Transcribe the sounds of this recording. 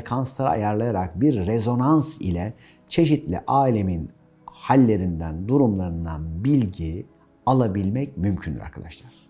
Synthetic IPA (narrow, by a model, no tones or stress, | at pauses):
kʰanst̪ˠaɾa̰a̰jaɾlˠajaɾak̚biɾːezo̞nansḭlʲɛ | t͡ʃʰe̞ʃit̪lʲḭʔaːilʲe̞min | halʲːe̞ɾind̪ænd̪uɾumlˠaɾɯnd̪anbilʲɟi | alˠabilʲmɛcmymcʰynd̪iɾa̰ɾkʰa̰d̪aʃt̪ʰˠaɾ̥